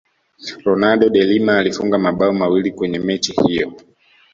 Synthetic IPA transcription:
ɾɔnaɗɔɗɛlimaːlifuŋɡamaɓaɔmawilikwɛɲɛmɛt͡ʃihijɔ

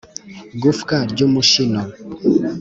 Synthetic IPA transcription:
ɡofkaɾd͡ʒomuʃinɔ

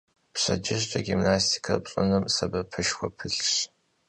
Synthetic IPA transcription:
pɕɐd͡ʒɪʑt͡ʃʼɐɡimnaːstʰi̥kʰɐpɕʼɨnɨmsɐbɐpʰɨʃxʷɔpʰɨɬɕ

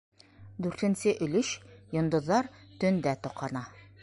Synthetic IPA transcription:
d̪ʉɾt̪ɘ̆nsɘʔɵ̆lɵʃjŏnd̪ŏðːɑɾt̪ɵnd̪æt̪ŏqɑnɑ

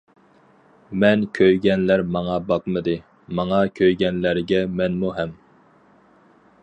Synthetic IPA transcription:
mɛnkʲʰøjɡʲɛnlæɾmɑŋɑbɑq̚mɨd̪ɨ | mɑŋɑkʲʰøjɡʲɛnlæɾɡʲɛmɛnmuɦɛm

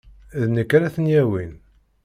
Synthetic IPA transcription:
ðnəkːɾæθənjæwin

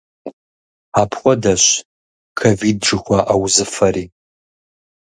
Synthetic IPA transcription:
aːpʰχʷɔdɐɕ | kʰovid̚ʈ͡ʂɨxʷaʔawzɨfɐɾiː

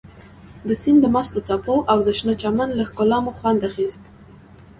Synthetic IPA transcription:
d̪əsind̪əmast̪ot͡sɑpoʔawd̪əʃnət͡ʃamanlaxkʊlɑmoxwand̪axist̪̚

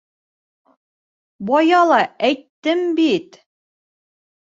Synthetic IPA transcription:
bɒjɑlˠɑæjt̪ːɘmbit̪

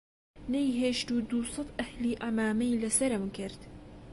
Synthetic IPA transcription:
nɐjɦeːʃt̪uːd̪uːsˤɨt̪ˤʔɐhliːʔamaːmɐjlɐsɐɾamkɪɾt̪

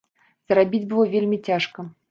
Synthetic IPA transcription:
z̥rabʲid͡zʲbɨvɔvʲelʲmʲit͡sʲaʂkɐ

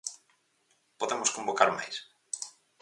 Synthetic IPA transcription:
poðemoskõmbokaɾma̰js

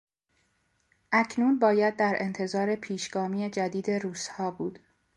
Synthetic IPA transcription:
ʔæcʰnuːnbɒːjæd̪̚ːæɾʔe̞nt̪ʰe̞zɒːɾe̞pʰiːʃɡ̥ɒːmiːed͡ʒæd̪iːd̪e̞ɾuːshɒːbuːd̪̥

